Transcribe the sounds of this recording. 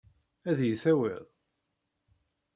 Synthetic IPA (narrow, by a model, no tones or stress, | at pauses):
æðjəθæwɪ̰ðˤ